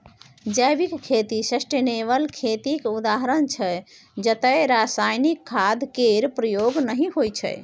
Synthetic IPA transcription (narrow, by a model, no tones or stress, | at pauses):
d͡ʒəjbikkʰːet̪isəsʈeneβəlkʰet̪ikud̪aɦɾənt͡ʃʰə | d͡ʒət̪əjɾasajnikʰːad̪ʱkeɾpɾəjoɡnəɦĩɦojt͡ʃʰə̰j